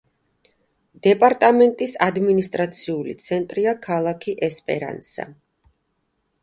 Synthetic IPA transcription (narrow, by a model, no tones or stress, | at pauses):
d̪̥ɛpʼaɾt̪ʼamɛnt̪ʼisad̪minist̪ʼɾat̪sʰiulḭt̪sʰɛnt̪ʼɾiakʰalˠakʰiʔɛspʼɛ̰ɾa̰nsa̰